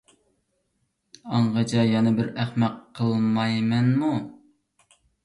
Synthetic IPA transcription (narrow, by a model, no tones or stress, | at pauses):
ɑɴʁɑd͡ʒɑjɑnɨbɪɾæχmɛqʰːəlˠmɑjmɛnmu